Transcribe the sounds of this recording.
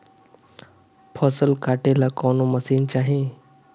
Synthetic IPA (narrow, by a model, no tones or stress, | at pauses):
pʰɔsəlkaʈelakɔnoməsiːnt͡ɕaɦe